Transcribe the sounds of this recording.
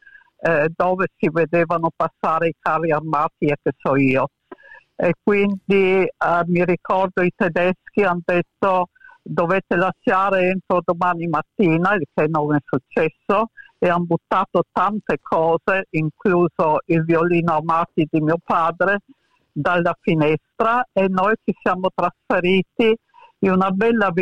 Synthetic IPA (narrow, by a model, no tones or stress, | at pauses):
d̪oːvesived̪eːvanopasːaːɾeikʰaːriarmaːt̪iɛkːesɔiːo | ekːwind̪imiɾikɔrd̪oit̪ed̪ɛsk̟iand̪et̪ːod̪oveːt̪elaʃaːɾeent̪ɾod̪omaːnimat̪ːiːnailkenoŋɛsut͡ʃːɛsːo | eambut̪ːaːt̪ot̪ːant̪ekʰɔːzeiŋkluːzoilvioliːnoamaːt̪id̪imiopaːd̪ɾe | d̪alːafinɛst̪ɾaenːojt͡ʃisjaːmot̪ɾasfeɾiːt̪i | iunabɛlːa